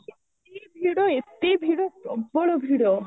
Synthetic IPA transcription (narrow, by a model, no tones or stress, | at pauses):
et̪ebʱiːɽoet̪ːebʱiɽosɔbːɔɭobʱiːɽo